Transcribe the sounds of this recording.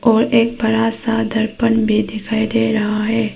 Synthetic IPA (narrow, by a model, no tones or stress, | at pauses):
ɔːɾeːk̚bɐɾaːsad̪əɾpənbʱid̪ɪkʰaːid̪eːɾɐɦaɦɛː